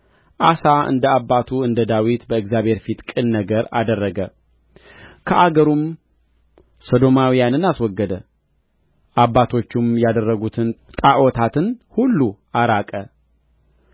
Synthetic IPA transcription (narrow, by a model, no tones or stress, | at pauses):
ʔasaɨ̰nd̪əabːat̪ʰuɨnd̪əd̪awit̪bəɨɡzjaβhe̞ɾfit̪kʼɨnːəɡəɾa̰d̪ərːəɡə | kʰəʔaɡəɾum | sod̪o̞mawijanɨnaswɔɡːəd̪ə | ʔabːat̪ʰo̞t͡ʃːumjad̪ərːəɡut̪ʰɨnt̪ʼaʔɔt̪ʰat̪ʰɨnhulːuʔaɾakʼə